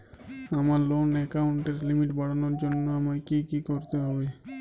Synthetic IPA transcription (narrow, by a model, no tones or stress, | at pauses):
amaɾlonɛkawɳʈeɾlimiʈbaɽanoɾd͡ʑonːoamaɾkikikoɾt̪eɦɔbe